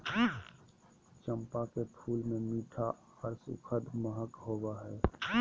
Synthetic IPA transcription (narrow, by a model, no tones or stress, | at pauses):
t͡ʃə̃mpakepʰuːlmẽmiːʈʰa | əɾsṵkʰəd̪məɦəkɦoːbaɦɛː